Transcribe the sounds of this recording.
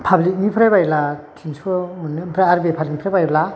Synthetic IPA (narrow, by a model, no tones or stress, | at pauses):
pʰablik̚nipʰɾabajlatʰiŋsɯmɯnɯpʰɾaːɾbepʰabliknipʰɾabajla